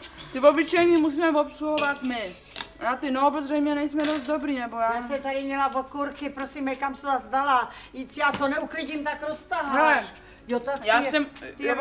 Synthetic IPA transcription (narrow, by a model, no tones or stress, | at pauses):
t̪ɪvobɪt͡ʃɛjɲiːmus̬iːmɛvopsluɦovat̪mɪ | ʔjaːt̪ɪnoobɛzrɛjmɲɛnɛjsmɛdost̪̚d̪obɾiːnɛbojaːasɛt̪adɪmɲɛlavokuɾkɪpɾosimɛkamsɛzazd̪alajit͡sjaːt͡sonɛuklɪɟimt̪akɾost̪aɦaɛɛ | ajaːsɛm